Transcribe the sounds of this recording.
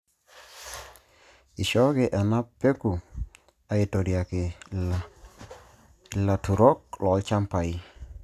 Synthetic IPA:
ɪ˨ʃɔ˦ɡe˨ʔɛ˨na˦pe˦ku˨ | a˦ɪ˨to˨dja˨kɪ˨ | la˨tu˨ɾɔ˦k̚lɔ˨˦lt͡ʃa˦mpa˨i˦

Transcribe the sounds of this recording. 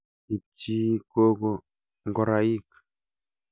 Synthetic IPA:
i˨p̚t͡ʃi˦ko˦ɡo | ŋɡo˨ɾai˦k

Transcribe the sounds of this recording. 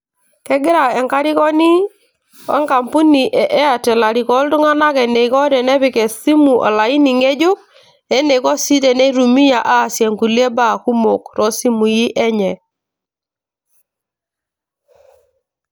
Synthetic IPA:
kɛ˦ɡɪ˦ɾa˨ɛ˨ŋka˦ɾɪ˦kɔ˦ni˦ | ɔ̰˦ŋka˨mpu˦ni˨ʔɛ˨ʔɛ˦a˨tɛ˨la˨ɾi˨kɔ˦ltʊ˦ŋa˦na˦kɛ˨nɛ˨i˨kɔ˦ɾɛ˨nɛ˦βɪ˨kɛ˨si˦mu˨ʔɔ̰˨la˨i˦ni˨ŋe˦d͡ʒo˦k̚ | ɛ˦ne˨kɔ˦si˦tɛ˨ne˦ɾu˨mi˦ja˨ʔa˦˨sjɛ˨ŋku˨lje˦ba˦˨ku˦mo˨kɾɔ˨˦si˦mu˨ji˦ʔɛ˦ɲɛ˨

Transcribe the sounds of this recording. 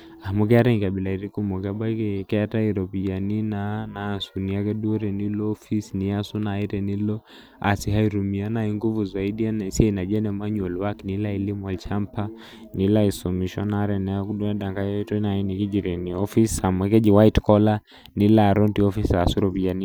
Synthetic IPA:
a˨muk̬ɛ˦a˦ɾɛ˦ŋka˨ɓi˨la˨i˨ɾi˦ku˦mɔ˨kaɓa˦kɛkɛ˦ata˦iɾɔ˨pi˨d͡ʒa˨ni˦nana˨nsu˨ni˨a˦kɛɗu˦ɛ˦ɾɛ˨ni˦lɔːfi˦snia˦su˦na˨i˦ɾɛ˨ni˦lɔ˦ | a̰˨si˨ɦa˦i˨ɾu˨mi˨a˦na˦i˦ŋɡu˦vu˨za˨i˦ɗi˦a˦nɛ˨siɛ˦ina˨d͡ʒɛ˦nɛma˦ɲɔ˨lwa˦kinila˦ili˦mɛ˨lt͡ʃa˦mpa˦ | ni˨la˦i˨sɔ˨miʃɔ˦naɾɛ˨nɛ˨ɔ˦ku˦ɗu˦a˦ɗa˨ŋɡa˨jɛ˦tɔ˦na˨i˦ni˨ki˦d͡ʒi˨ɾɛ˨ni˨ɔfi˦sa˨mɛkɛ˦d͡ʒi˨wa˦itkɔ˦la˦ | ni˨laː˨ɾɔ˦ntiɔ˦fi˦sa˨su˦ɾɔpi˨d͡ʒa˨ni

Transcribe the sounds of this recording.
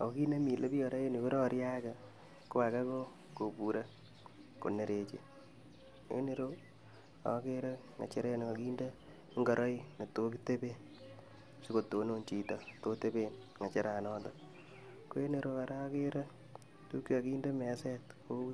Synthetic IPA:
o˨˦ki˦ne˦mi˨lʔe˦pi˦ɔ˨ɾa˦jo˦ni˨ko˦ɾo˦ɾja˦ka˨ | ko˦a˨ka˦ko˦ | ko˨pu˨ɾa˦ | ko̰˨ne˨ɾe˨t͡ʃḛ˨ | jo̰˦ne˨ɾo˦ | a̰˦ke˦ɾa˦ | ŋa̰˨t͡ʃe˦ɾe˦n˨ko˨ki˦nde˦ | ŋɡɔ˨ɾʔɔ˦i˦ne˨to˦ki˦te˦be˦n | si˦ko˨to˨no˦nt͡ʃi˨tɔ˨to˦te˦be˦n | ŋa˨t͡ʃe˦ɾa˨nɔː˦ndɔ | ko˦je˦ne˨ɾo˦a˨ɾa˦ke˦ɾa˦ | tu˦ki˦a˨ki˦nde˦mɛ˨sɛ˦tko˦

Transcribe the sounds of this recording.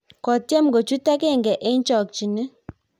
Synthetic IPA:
kɔ˨tjɛ˦mɡo˨t͡ʃu˦ta˦ke˦˨ŋɡɛ˨ʔe˦n˦t͡ʃɔ˨k̚t͡ʃi˨nɛ˦

